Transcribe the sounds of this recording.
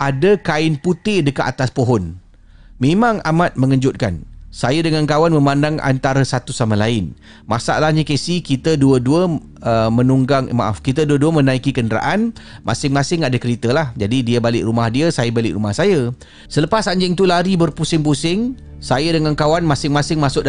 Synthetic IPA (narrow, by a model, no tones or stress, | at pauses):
ʔadakaɪnput̪ɪdəka̰ʔat̪aspoɦɔn | mẽmãŋamat̪̚məŋəɲd͡ʒʊt̪̚ka̰nsajədəŋankawanmə̃mandaŋʔa̰nt̪aɾasat̪usamãlaɪn | masa̰ʔlahɲakesikit̪əduəduə | əmə̃nuŋɡaŋ̰ma̰ʔa̰fkit̪əduəduəmə̃nãikikəndəɾa̰ʔanmʔa̰sɪŋmasɪŋadakəɾit̪əlahd͡ʒadidiəbalɪ̰ʔɾumahdiəsajəbalɪ̰ʔɾumahsajə | sələpasaɲd͡ʒɪŋt̪ulaɾibərpusɪŋpusɪŋ | sajədəŋankawanmãsɪŋmãsɪŋmasʊʔ̚